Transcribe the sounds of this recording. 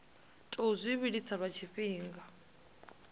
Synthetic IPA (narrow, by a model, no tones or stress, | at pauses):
tʼuzʷiβiɺit͡sʰaβat͡ʃʰiɸiːŋɡa